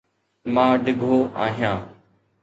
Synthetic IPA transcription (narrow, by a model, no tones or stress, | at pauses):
mãːɖɪɡʱoːa̰ːɦijãː